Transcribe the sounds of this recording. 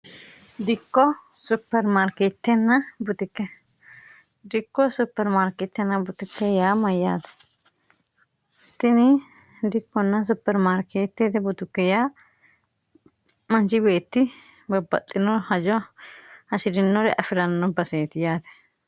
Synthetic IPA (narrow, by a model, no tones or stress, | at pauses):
d̪ɪkːɔ | sʊpːɛɾmaːɾkeːt̪ːɛnːɐbʊt̪ɪkːɛ | d̪ɪkːɔsʊpːɛɾmaːɾkɛt̪ːɛnːɐbʊt̪ɪkːɛjaːmɐjːaːt̪ɛ̥ | t̪ːɪnɪ | d̪ɪkːɔnːɐs̬ʊpːɛɾmaːɾkʰeːt̪ːɛd̪ɛbʊt̪ʊkːɛjaː | mɐnt͡ʃɪbe̞ːt̪ːɪ | bɐbːɐ̰t̪ʼːɪnɔhɐd͡ʒɔ | hɐʃɪdɪnːɔɾɛʔɐfɪɾɐnːɔbɐseːt̪ɪjaːt̪ɛ̥